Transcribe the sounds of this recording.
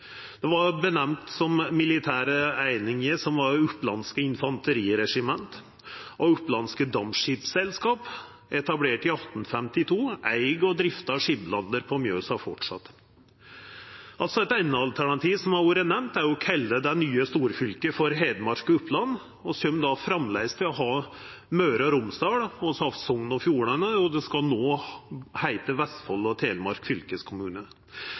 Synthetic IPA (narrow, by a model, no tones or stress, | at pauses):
d̪̥ɛʋɑɾbənɛmt̪sɔmmɪlɪt̪ʰæːɾəæɪnɪŋəɾsɔmʋɑɾʉplɑ̰nskəɪnfɑnt̪əɾiːɾɛʂɪmɛnt̪ | ʔɔʉplɑnskəd̪ɑmʂɪpsɛlskɑːp | ɛt̪ɑbleːʈɪɑt̪n̩fɛmt̪ɪt̪ʰuːʔæɪɡɔd̪ɾɪft̪ɑʂɪblɑnd̪əɾpʰɔmjøːsɑfɔʈʂɑ̰t̪ː | ʔɑlt̪sɔɛt̪æɪnəɑlt̪ʰæɳɑt̪ʰiːʋsɔmæuːɾənɛmt̪æɾjʊkʰɛlːəd̪ænyːəst̪uːɾfʏlkəfɔɾɦeːd̪mɑɾkʊpʰlɑnː | ɔsɔmd̪ɑfɾɑmlæɪst̪ʰɪlɔɦɑː | møːɾɑɾʊmsd̪ɑːɽɔsɑfsɔŋnɔfjuːɳænəɔd̪ɛskɑlnoːhæɪt̪əʋɛst̪fɔlːɔt̪ʰeːlmɑɾkfʏlkəskʰʊmʉːnə